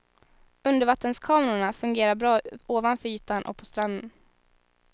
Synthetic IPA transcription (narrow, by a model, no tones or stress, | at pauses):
ɵnd̪əɾvat̪ːənskʰɑːmɛɾʊɳafɵŋɡeːɾabɾɑːoːvanfœɾyːt̪aɳʔɔ̰k̚pʰɔst̪ɾand̪ən